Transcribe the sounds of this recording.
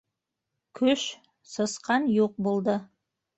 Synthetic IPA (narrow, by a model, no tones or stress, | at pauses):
kʲʰɵʃ | sɤ̆sqɑnjoq̚bolˠd̪ə